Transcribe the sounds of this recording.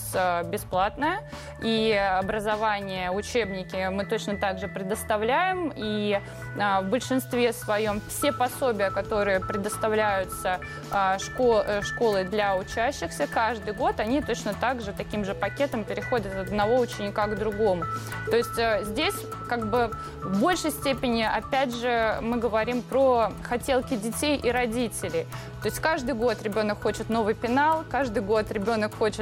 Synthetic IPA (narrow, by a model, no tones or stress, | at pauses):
sʲəbʲɪsplˠat̪nəjə | iɐbɾəzɐvanʲɪjəʊt͡ɕe̞bnʲɪkʲɪmɨt̪o̞t͡ɕnət̪aɡʐɨpɾʲɪd̪əst̪ɐvlʲæjɪmi | əvbəlʲʂɨnst̪vʲe̞svɐjo̞mfsʲepɐso̞bʲɪjəkɐt̪o̞ɾɨjəpɾʲɪd̪əst̪ɐvlʲæjʊt̪sə | ʂkoʂko̞lˠɨd̪lʲɐʊt͡ɕæɕːɪxsʲəkaʐd̪ɨjɡo̞t̪ɐnʲit̪o̞t͡ɕnət̪aɡʐɨt̪ɐkʲimʐɨpɐkʲe̞t̪əmpʲɪɾʲɪxo̞dʲət̪ɐd̪nɐvo̞ʊt͡ɕɪnʲɪkaɡd̪ɾʊɡo̞mʊt̪o̞ɪsʲtʲəzʲdʲesʲkaɡ̚bɨ | vbo̞lʲʂəjsʲtʲepʲɪnʲɪʔɐpʲædʲʐɨmɨɡəvɐɾʲimpɾoxɐtʲelˠkʲɪdʲɪtʲejʔiɾɐdʲitʲɪlʲɪ | t̪oɪsʲtʲkaʐd̪ɨjɡo̞t̪ɾʲɪbʲo̞nəkxo̞t͡ɕɪt̪no̞vɨjpʲɪnalˠkaʐd̪ɨjɡo̞t̪ɾʲɪbʲo̞nəkxo̞t͡ɕɪ